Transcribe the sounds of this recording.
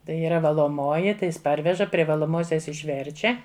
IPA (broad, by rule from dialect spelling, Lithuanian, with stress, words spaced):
ˈtɐɪ iːˈrɐ ʋɐlˠoːˈmoːjɪ ˈtɐɪ ˈjɪs ˈpɐrʲʋʲɛʒɐ pʲrʲɪ ʋɐlˠoːˈmoːsʲɛs ɪʃʲˈʋʲɛrʲt͡ʃʲɛ